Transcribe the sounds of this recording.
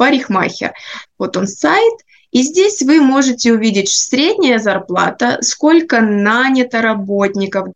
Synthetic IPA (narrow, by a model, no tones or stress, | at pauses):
pɐɾʲɪxma̰xʲɪ̰rvo̞t̪o̞nsajɪt̪ | izʲdʲesʲvɨmo̞ʐɨtʲɪʊvʲidʲɪtʲsʲɾʲedʲnʲɪjəzɐrplˠa̰t̪əsko̞lʲkənanʲɪt̪əɾɐbo̞tʲnʲɪkəf